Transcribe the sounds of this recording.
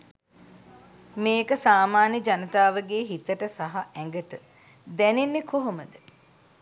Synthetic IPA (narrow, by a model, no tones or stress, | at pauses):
meːkəsaːmaːnjəd͡ʒanət̪aːʋəɡeːɦit̪əʈəsaɦaɛŋɡəʈə | d̪ɛnenːekoɦoməd̪ə